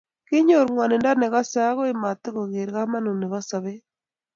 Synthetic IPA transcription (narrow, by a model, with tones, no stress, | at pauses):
kɪ˦ɲo˨ɾŋwa˨ne˨nda˦ne˨ɣa˦sa˦ɣo˦e˦ma˨tɪ˦ɣo˨ɣe˨ɾɣa˦ma˦nu˨ne˨ɣɔ˦sa˨βe˦